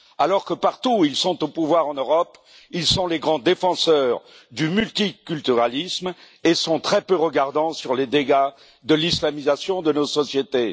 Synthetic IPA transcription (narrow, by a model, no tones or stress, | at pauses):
alɔʁkəpaʁt̪uilsɔ̃t̪opuvwaʁɑ̃nøʁɔp | ilsɔ̃leɡʁɑ̃d̪efɑ̃sœːʁ | d̪ymylt̪ikʲylt̪yʁalism | esɔ̃t̪χɛpøʁəɡaʁd̪ɑ̃syʁled̪eɡa | d̪əlislamizasjɔ̃d̪ənosɔsjet̪e